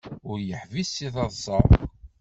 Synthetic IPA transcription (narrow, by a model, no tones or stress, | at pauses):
ʊɾjəħvisːiθɑðˤsˤɑʁˤ